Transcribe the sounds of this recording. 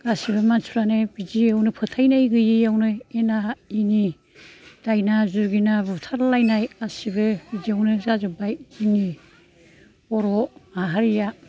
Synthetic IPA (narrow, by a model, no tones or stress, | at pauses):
ɡasibɯmansʰuɾanɯbid͡ʒiawnɯpʰɯtʰajnajɡɯjijawnɯenaini | d̥ajnazuɾɡinabutʰaɾlajnajasibɯbizijawnɯzazɯbajini | ɔɾɔaɦaɾija